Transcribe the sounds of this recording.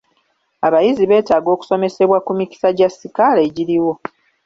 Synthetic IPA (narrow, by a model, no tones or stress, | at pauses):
aβajiziβe̞ːtaːɡo̞ːku̥so̞me̞se̞βwakumici̥saɟasːikaleɟiɾiwo̞